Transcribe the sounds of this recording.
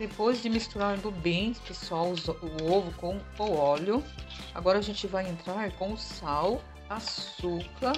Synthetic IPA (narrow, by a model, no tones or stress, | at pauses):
d̪epojzd͡ʒɪmist̪uɾaɾd̪ʊbẽpesɔwzɐʊovʊkõw̃ | oɔlʊ | a̰ɡɔɾɐʒẽnt͡ʃɪvajẽnt̪ɾaɾkõʊsaw | assukɐ